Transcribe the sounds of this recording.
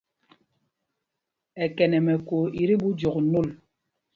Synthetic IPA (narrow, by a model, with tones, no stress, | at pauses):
ɛ˨kɛ˨nɛ˨mɛ˨ko˨i˨ɾi˦bu˦d͡ʒɔ˨knu˦˨l